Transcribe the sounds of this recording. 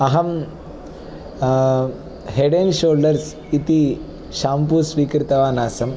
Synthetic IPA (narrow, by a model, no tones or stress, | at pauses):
ɐɦɐm | heɖenʃoːlɖɐɾs | it̪i | ʃaːmpusʋiːkɾit̪ɐʋaːnaːsɐm